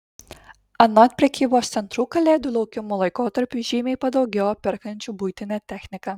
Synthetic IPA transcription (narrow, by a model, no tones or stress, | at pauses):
ɐnɔt̪̚ʲpʲɾʲɛkʲiːboːst̪sʲɛnt̪ɾuːkɐlʲeːd̪ʲʊlˠɐʊkʲɪmuːlˠɐɪkoːt̪ɐɾʲpʲuʒʲiːmʲejpɐd̪ɐʊɡʲɛʊɐpʲɛɾkɐnʲt͡ʃʲuːbuːt̪ʲɪnʲæːt̪ʲɛxʲnʲɪkɐ